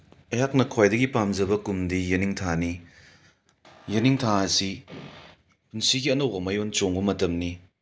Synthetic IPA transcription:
ɐjak̚nɐkʰojdɐɡipamzɐbɐkumdijɐniŋtʰani | jɐniŋtʰaɐsi | punsiɡiɐnɐwɐmajont͡ʃoŋbɐmɐtɐmni

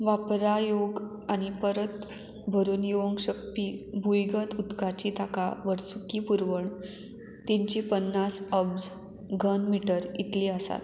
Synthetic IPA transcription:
ʋapɾajoɡ | añipəɾət̪ | bʱəɾuːnjoʋoŋkɕək̚piːbʱujɡət̪ut̪kat͡ɕit̪akaʋəɾsukiːpuɾʋəɳ | t̪iɲt͡ɕipənːasəbd͡z | ɡʱənmiʈəɾit̪liːəsa̰t̪

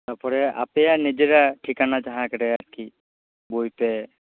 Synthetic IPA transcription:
t̪aɾpɔɾɛa̰pɛjanid͡ʒeɾaʈʰikanad͡ʒaɦãɛkɛʈɛadki | bojpɛ

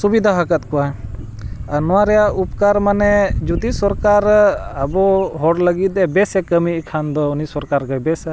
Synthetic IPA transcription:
subid̪ʱaɦakət̪̚kɔa | anɔwaɾɛjaupkaɾmanɛd͡ʒut̪isɔɾkaɾabɔɦɔɽləɡit̪̚ɛbɛsɛkəmikʰand̪ɔunisɔɾkaɾkəjbɛsa

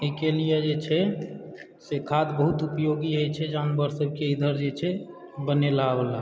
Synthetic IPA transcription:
ikelijəd͡ʒet͡ʃʰɛ | sekʰad̪bəɦut̪upjoɡiɦəjt͡ʃʰɛd͡ʒanbəɾsəb̚ʱkeid̪ʱəɾd͡ʒet͡ʃʰɛ | bəneləabəla

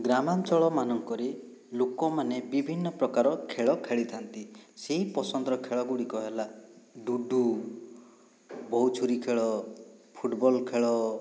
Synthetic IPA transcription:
ɡɾamant͡ʃɔɭɔmanɔŋkɔɾe | lokɔmanebibʱinːɔpɾɔkaɾɔkʰeɭɔkʰeɭit̪ʰant̪iseɦipɔsɔnd̪ɾɔkʰeɭɔɡuɽikɔɦelaɖuɖʱːu | bɔɦut͡ʃʰuɾikʰeɭɔpʰuʈbɔlkʰeɭɔ

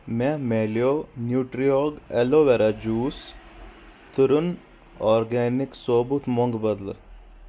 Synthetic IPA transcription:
mɛmeːljoːnjuːʈɾioːɡeloːʋeɾad͡ʒuːs | t̪ʊɾun | ɔːɾɡɛːniksoːbut̪moŋɡbɐd̪l̰

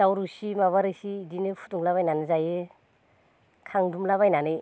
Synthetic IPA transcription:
dawɾusimaβaɾɯsiːdinɯpʰu̥tuŋlaβajnanɯzaje | kʰaŋdumlaβajnanɯ

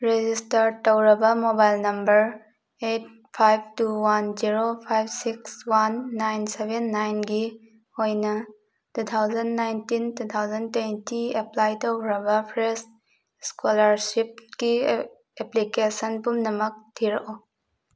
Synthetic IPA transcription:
ɾed͡ʒistɐɾtowɾɐbɐmobajlnɐmbɐɾ | et̚ | pʰajb̚tuwanziɾopʰajb̚sikswanːajnsebenːajnɡi | ojnɐ | tut̪ʰawzɐndnajntintut̪ʰawzɐntwentieplajtowɾɐbɐpʰɾes | skolɐɾsip̚ɡi | eplikesɐnpumnɐmɐk̚tʰiɾɐʔo

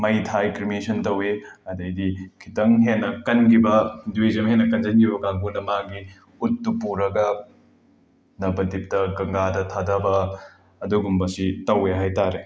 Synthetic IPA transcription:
mɐjtʰajkɾimisʰɐntɐweɐdɐjdikʰitɐŋɦenːɐkɐnɡibɐdwezɐmɦenːɐkɐnd͡ʒɐnɡibɐɡaŋɡunɐmaɡi | utːupuɾɐɡɐ | nɐbɐdip̚tɐɡɐŋɡadɐtʰadɐbɐː | duɡumbɐsitɐweɦajtaɾe

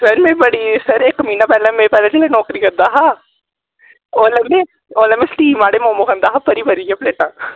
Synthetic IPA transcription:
ɾɐnmẽbɐɽisɐɾeːkmiːnapɛːlamẽpɛːlat͡ʃɐlenɔːkɾikɐɾd̪aɦa | oːlɐme | oːlɐmesʈiːmaːɽemõːmokɐ̃nd̪aɦapɐɾipɐɾid͡ʒapleːʈãː

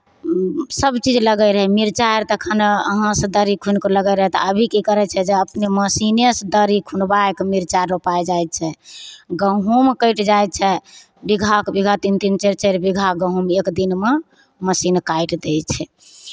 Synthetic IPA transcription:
səbt͡ʃid͡ʒləɡɛɾəɦɛmiɾt͡ʃaeɾt̪əkʰənəɦãsə̃d̪əɾikʰunkoləɡɛɾəɦɛt̪ɔəbʱikikəɾɛt͡ʃʰɛd͡ʒeəpneməsinesd̪əɾikʰunbaekmiɾt͡ʃaɾːopaed͡ʒajt̪̚t͡ʃʰɛɡəɦumkəʈd͡ʒaj̪̚t͡ʃʰɛ | biɡʱakbiɡʱat̪int̪int͡ʃeɾt͡ʃəɾbiɡʱaɡəɦumekd̪inme | məsinkajʈd̪et͡ʃʰɛ

